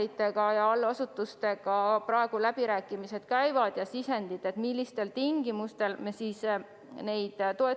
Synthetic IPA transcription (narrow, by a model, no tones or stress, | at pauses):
it̪ːˑe̞ɡɑjɑɑlːɑsut̪ːˑust̪e̞ɡ̥ɑprɑe̞ɡ̥ulæb̥iɾæːkːˑimise̞d̪̥kæjvɑd̪̥jɑsisend̪it̪ːˑe̞t̪milːist̪e̞lt̪iŋɡimust̪e̞lmesis | ne̞jd̪̥t̪o̞e